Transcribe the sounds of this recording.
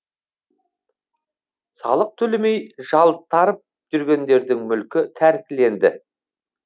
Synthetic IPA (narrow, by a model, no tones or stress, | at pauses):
sɑ̰lˠəq̚t̪ʰɵlɪme̞jʒɑlˠt̪ʰːɑɾəp̚ | ʒ̥ʏɾɡʲe̞nd̪e̞ɾd̪ɪŋmʏlkʲɪt̪ʰæɾkʲɪle̞nd̪ɪ̰